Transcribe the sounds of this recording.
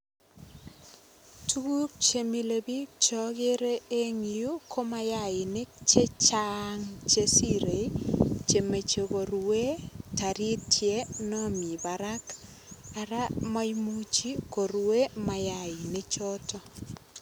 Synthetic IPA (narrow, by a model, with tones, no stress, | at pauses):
tu˦ɡu˦k̚t͡ʃe˨mi˦le˨bi˦t͡ʃɔ˦ɡe˦ɾe˦e˦ŋi˨ju˦kʰo˦ma˦ja˨ɪ˨nɪ˦t͡ʃe˦t͡ʃaŋt͡ʃe˦si˦ɾe˨t͡ʃe˨me˨t͡ʃe˨ɡo˨ɾwe˦ta˨ɾi˦tje˦nɔ˦mi˨ba˨ɾa˦k | a˨ɾa˦ma˦jmut͡ʃi˦ko˨ɾwe˦ma˨ja˦˨ɪ˨nɪ˦t͡ʃɔ˦tɔ˦